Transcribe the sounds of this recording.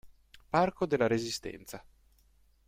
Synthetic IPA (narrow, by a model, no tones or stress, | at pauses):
parkod̪elːaɾezist̪ɛ̰nt̪sa